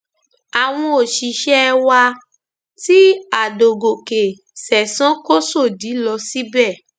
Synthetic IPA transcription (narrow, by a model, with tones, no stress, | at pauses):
a˨w̃ɔ̃˧o˨ʃi˨ʃɛ˦wa˧ | ti˦a˨do˨ɡo˨ke˨ | sɛ˨sã˨˦ko˦so˦˨di˨˦lɔ˧si˦bɛ˦˨